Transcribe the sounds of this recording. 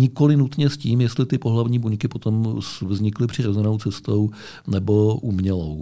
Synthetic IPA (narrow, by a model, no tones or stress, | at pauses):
ɲɪko̞lɪnut̪ɲɛsciːmjɛst̪lɪt̪ɪpo̞ɦlavɲiːbuɲkɪpot̪o̞msvzɲɪklɪpr̝̥ɪɾo̞zɛnowt͡sɛst̪o̞w | nɛbo̞ʔumɲɛlow